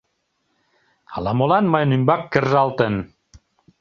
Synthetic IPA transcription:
ɑlɑmolɑnmɤjnymbɑkːərʒɑlˠt̪ən

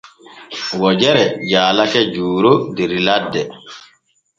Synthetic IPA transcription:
wɔd͡ʒɛɾɛd͡ʒaːlakɛd͡ʒuːɾodeɾiladːɛ

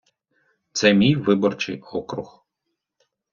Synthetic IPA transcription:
t̪sɛmʲijʋɪbɔrt͡ʃɪ̰jɔkɾʊ̰x

